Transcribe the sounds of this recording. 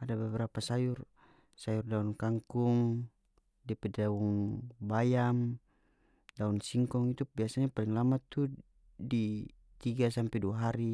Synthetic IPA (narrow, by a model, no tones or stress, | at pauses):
adabɛbɛɾapasajur | sajurdaunkaŋkuŋ | dipɛdauŋbajam | daunsiŋkɔŋit̪ubiasaɲapaliŋlamat̪ːu | di | t̪iɡasampɛduaɦaɾi